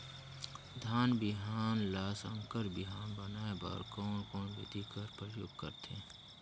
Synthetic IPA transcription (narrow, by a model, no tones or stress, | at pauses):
d̪ʱaːnbɪɦaːnlaːsə̃ŋkəɾbɪɦaːnbənaːeba̰ːɾkɔːnkɔːnbɪt̪ikəɾpɾəjo̰ːɡkə̰ɾt̪ʰẽː